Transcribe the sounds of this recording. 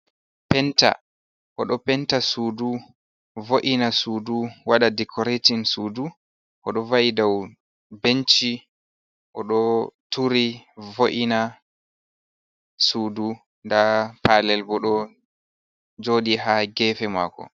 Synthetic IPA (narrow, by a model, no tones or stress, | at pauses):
pɛnta̰ | ʔɔɗɔpɛntasuːdu | voʔinasuːduwaɗadɛkʰɔɾetinsuːdu | ʔɔɗɔvaʔidaw | bent͡ʃi | ʔɔɗɔtuɾivoʔina | suːdu | ndapalɛlbɔɗɔ | d͡ʒoːɗiɦaɡɛːfɛma̰ːkɔ̰